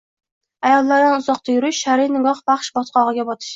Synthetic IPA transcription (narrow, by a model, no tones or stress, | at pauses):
ajɒlˠːaɾd̪anʊzɒq̚t̪ʰajʊɾɪʃʃaɾɪnɪɡɒχbɑχʃbɒt̪̚qɑʁɨɡʲabɒt̪ʰɪ̥ʃ